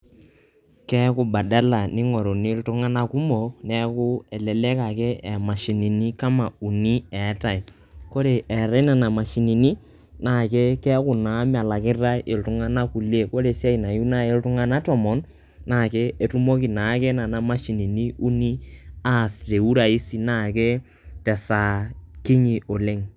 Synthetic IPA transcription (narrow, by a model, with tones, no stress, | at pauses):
kɛ˦kʊ˦ba˨da˦la˨nɪ˦ŋɔ˨ɾo˨ni˦ltʊ˦ŋa˦na˦ku˦mo˨nɛ˦kʊ˦ɛ˨lɛ˨lɛ˦ka˨ke˦ɛ˨ma˨ʃi˨ni˨ni˦ka˦ma˨u˨ni˦ɛ˨˦ta˨i˨ | ko˦ɾe˨ʔɛ˨ɾa˦na˨na˨ma˨ʃi˨ni˨ni˦ | na˦˨ke˦kɛ˦kʊ˨na˨˦m˦a˨la˨kɪ˦ra˦ʔe˨ltʊ˦ŋa˦na˦ku˨le˦ko˦ɾe˨si˦a˦i˨na˨ju˦na˦e˦ltʊ˦ŋa˦na˦tɔ˦mɔ˨nː | a˦˨ke˦e˨tu˦mo˦ki˨na˨˦ke˦na˨na˨˦ma˦ʃi˨ni˨ni˦u˦ni˦a˦˨sɾe˨u˦ɾa˨i˦si˨na˦˨ke˦ | tɛ˨sa˨ki˦ɲi˨ʔo˨le˦ŋ